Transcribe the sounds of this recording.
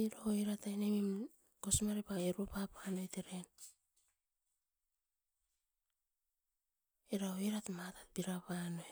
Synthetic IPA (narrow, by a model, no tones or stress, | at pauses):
iɾaoiɾatajnemim | kosmaɾepaeɾupapanoeteɾen | iɾaoiɾatmatatbiɾapano